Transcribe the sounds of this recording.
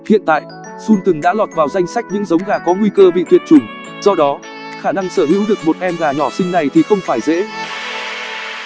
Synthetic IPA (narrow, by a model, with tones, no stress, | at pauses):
hḭ˧˨ənt̪a̰ː˧˨jʔ | su˧nt̪ɨ˨˩ŋɗa̰ː˧˥lɔ˨˩t̚vaː˨˩wza˧jŋ̟sa˦˥jk̚ɲɨ̰˧˥ŋzə˨˦wŋ͡mɣaː˨˩kɔ˨˦ŋwi˧kəː˧vḭ˧˨t̪wi˧˨nt͡ɕʊ˨˩ŋ͡m | z̥ɔ˧ɗɔ˨˦ | xaː˧˩na˧ŋsəː˧˩ɦḭ˧˥wɗɨ˨˩ək̚mo˨˩t̚ʔɛ˧mɣaː˨˩ɲɔ˧˩sï˧ŋ̟na˨˩jt̪ʰi˨˩xə˧wŋ͡mfaː˧˩jzḛ˧˥